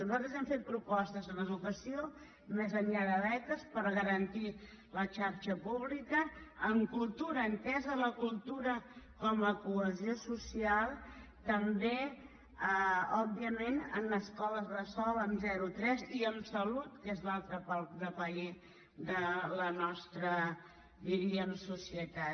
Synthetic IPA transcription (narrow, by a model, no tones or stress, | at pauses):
nuzalt̪ɾəzɛmfet̪̚pɾupɔst̪əzðənəðukəsio | mɛzənʎaðəðɛt̪əspəɾɣəɾənt̪i | lət͡ʃaɾt͡ʃəpuβlikəːŋkulˠt̪uɾəːnt̪ɛzələkulˠt̪uɾəkɔməkuəziosusialˠ | t̪əmbe | ɔbiəmenə̰nəskɔləzðəsɔləmzɛɾut̪ɾɛziəmsəlut̪kezlalˠt̪ɾəpalkðəpəe | d̪ələnɔst̪ɾə | d̪iɾiəmsusiət̪a